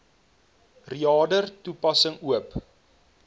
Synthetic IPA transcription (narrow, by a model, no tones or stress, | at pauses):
riɑːdərtupɐsəŋuəp